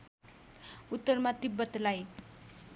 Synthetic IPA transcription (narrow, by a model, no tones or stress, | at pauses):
ut̪ːʌrmat̪ibːʌt̪laj